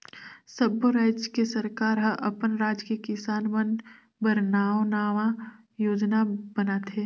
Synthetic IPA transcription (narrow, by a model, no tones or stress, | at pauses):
səboɾaːd͡ʒkesəɾkaːɾɦə̃ʔɐpənɾaːd͡ʒkekɪsaːnmən | bəɾnaːõnaːʋã | joːd͡ʒnabənat̪ʰeː